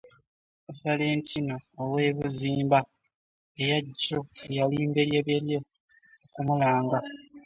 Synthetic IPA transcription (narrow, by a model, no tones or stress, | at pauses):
ufale̞ːntʰino̞ːwe̞ːβuziːmba | ejaɟːoejaliːmbeɾjeβeɾje̞ | okumulaːŋɡa